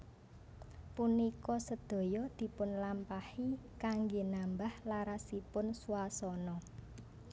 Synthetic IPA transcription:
punikɔsəd̪̥o̤jɔd̪̥i̤pʊnlampahikaŋɡenambahlaɾasipʊnsuasɔnɔ

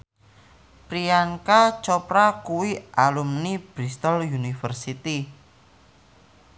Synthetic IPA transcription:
pɾiaŋkat͡ʃɔpɾakuwiʔalumnib̥ɾist̪ɔlunifərsit̪i

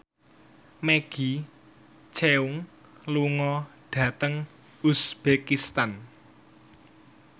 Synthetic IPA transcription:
meɡ̥i̤ | t͡ʃeuŋ | luŋɔɖ̥ä̤t̪əŋ | usb̥ekist̪an

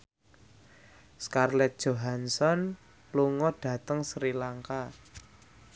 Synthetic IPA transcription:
skarlɛt̪̚d̥ʒ̥o̤ɦansɔn | luŋɔɖ̥ä̤t̪əŋsɾilaŋka

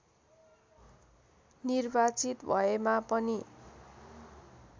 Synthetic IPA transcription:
nirbat͡sit̪bʱʌemapʌni

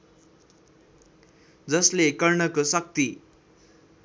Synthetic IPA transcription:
d͡zʌslekʌrɳʌkosʌk̚t̪i

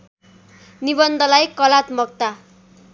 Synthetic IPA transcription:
nibʌnd̪ʱʌlajkʌlat̪mʌk̚t̪a

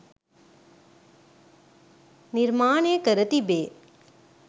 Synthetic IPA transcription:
nɪɾmaːɳeːkɐɾɐt̪ibeː

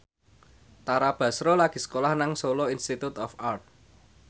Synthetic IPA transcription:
t̪aɾab̥ä̤sɾolaɡ̥i̤sə̥kolahnaŋsoloinst̪it̪ut̪ɔfart̪̚

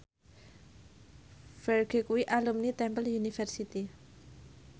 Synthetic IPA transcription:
fɛrɡe̤kuwiʔalumnit̪ɛmpəljunifərsit̪i

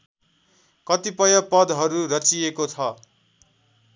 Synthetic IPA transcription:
kʌt̪ipʌjʌpʌd̪ɦʌɾurʌt͡sijekot͡sʰʌ

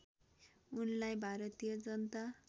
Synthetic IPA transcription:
unlajbʱaɾʌt̪ijʌd͡zʌnt̪a

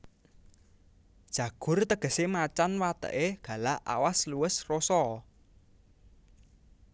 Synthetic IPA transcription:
d̥ʒ̥ä̤ɡ̥ʊ̤rt̪əɡ̥ə̤semat͡ʃanwat̪ə̰ʔeɡ̥ä̤laa̰wasluəsrosɔ

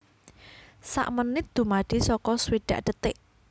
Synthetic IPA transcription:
sa̰ʔmənɪt̪̚d̪̥ṳmaɖ̥i̤sɔkɔsweɖ̥aʔɖ̥ət̪ɪʔ

